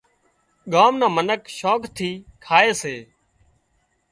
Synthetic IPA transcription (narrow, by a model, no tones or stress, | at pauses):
ɠaːmnãːmənəkʃoːkt̪ʰiːkʰaːeːseː